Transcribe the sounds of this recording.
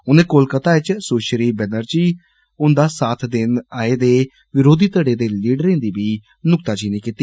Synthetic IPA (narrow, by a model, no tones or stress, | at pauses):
ʊnẽːkolkət̪aːɪt͡ʃsoːʃɾiːbɛːnəɾd͡ʒiː | ʊnd̪aːsaːt̪ʰd̪ɪnaːeːd̪eː | ʋɪɾoːd̪iːt̪əɽeːd̪eːliːɖəɾẽːnd̪iːbiː | nʊk̚t̪aːd͡ʒiːniːkiːt̪iː